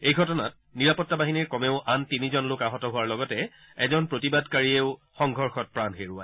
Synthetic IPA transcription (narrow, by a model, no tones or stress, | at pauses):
ejɡʱɔtɔnat̚niɹapɔtːabaɦiniɹkɔmeʊʔantinizɔnlokaɦɔtɔɦʊaɹlɔɡɔtɛ | ɛzɔnpɹotibadkaɹieʊxɔŋɡʱɔɹxɔt̚pɹanxeɹua̰